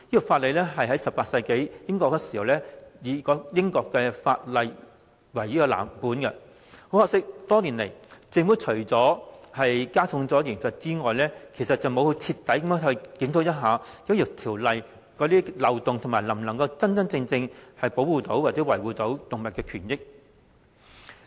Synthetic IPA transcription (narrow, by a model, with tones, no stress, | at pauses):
jiː˥kɔ˨˩faː˧t̚lɐ˨jlɛː˥ɦɐ˨jɦɐ˨˥jsɐ˨paː˧t̚sɐ˧jke˨˥jjɪ˥ŋkɔː˧kːɛ˧si˨˩hɐ˨wlɛː˥jiː˨˧kɔː˨˥jɪ˥ŋkɔː˧kːɛ˧fa̰ː˧t̚lɐ˨j | wɐ˨˩jiː˥kɔ˧la̰ː˨˩mpuː˨˥nkɛ˧ | ho˨˥whɔː˧ksɪ˥k̚t̪ɔː˥niː˨˩nle˨˩jt͡sɪ˧ŋmuː˨˥jt͡ʃʰɵ˨˩ɥt͡sɔː˨˥hɐ˨jkaː˥t͡sʰʊ˨˧˥ŋt͡sɔː˨˥ji˨˩ŋsɐ˨t̚t͡siː˥ŋɔː˨jlɛː˥kʰe˨˩jsɐ˨t̚t͡sɐ˨wmo˨˧whɵ˨˧t͡sʰiː˧t̪ːɐ˨˥jkɐ˨˦mː˥ŋhɵ˧kɪ˨˥ŋt̪o˨˥wjɐ˥t̚ɦaː˨˧kɐ˨˥jʊ˨˩k̚t̪ʰiː˨˩wlɐ˨j | kɔː˨˥t̪iː˥lɐ˨˩wt̪ʊ˨ŋt̪ʰʊ˨˩maː˨˩jlɐ˨˩mlɐ˨˩ŋkɐ˧wt͡sɐ˥nt͡sɐ˥nt͡sɪ˧ŋt͡sɪ˧ŋhɐ˨jpo˨˥wuː˨˧t̪o˨˥waː˨t̚t͡sɛː˨˥wɐ˨˩jwuː˨t̪o˨˥wt̪ʊ˨ŋmɐ˨t̚kːɛː˧kʰyː˨˩njɪ˥k̚